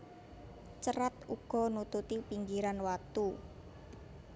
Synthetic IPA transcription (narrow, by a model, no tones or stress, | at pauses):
t͡ʃəɾat̪uɡ̥ɔ̤nut̪ut̪ipiŋɡiɾanwat̪u